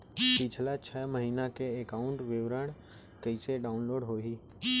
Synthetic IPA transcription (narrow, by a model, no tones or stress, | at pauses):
pɪt͡ʃʰlat͡ʃʰəməɦiːnakeːkaʊ̃ɳʈʋɪʋɾəɽ̃ | kəɪseɖaːʊnloːɖɦoːɦiː